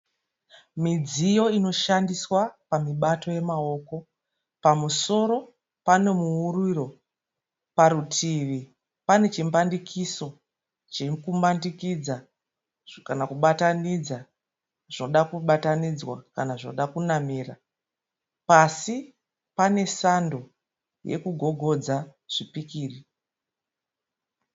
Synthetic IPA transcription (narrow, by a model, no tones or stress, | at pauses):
mid͡zijo̞ino̞ʃandiswapamiɓato̞je̞mao̞ːko̞ | pamuso̞ɾo̞ | pane̞muuriro̞ | paɾutʰiʋi | pane̞t͡ʃimbandikʰiso̞ | t͡ʃekumbandikid͡za | kanakuɓatanid͡za | ʐ̥inoɗakuɓatanid͡zwa̰kanaʐinoɗakunamiːra | pasi | pane̞sando̞ | je̞̰kuɡʱo̞ɡʱo̞d͡zaʐ̥ipikiːri